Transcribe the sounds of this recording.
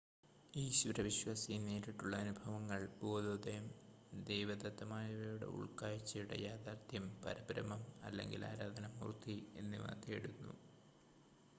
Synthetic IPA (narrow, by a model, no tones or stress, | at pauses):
iːɕuɾɐʋiɕwaːsijneːɾiʈːuɭːɐɐnubʱɐʋɐŋːɐɭboːd̪oːd̪ɐjɐm | d̪ejʋɐd̪ɐt̪ːɐmaːjɐʋɐjuɽe̞̰ʔṵɭkaːjit͡ɕːɐjuɽḛjaːd̪aːrt̪ʰjɐmpɐ̰ɾɐbɾɐmɐmɐ̰lːe̞̰ŋɡila̰ːɾaːd̪ʱɐnɐmːṵːrt̪ie̞̰nːɨʋɐ̰t̪eɽunːṵ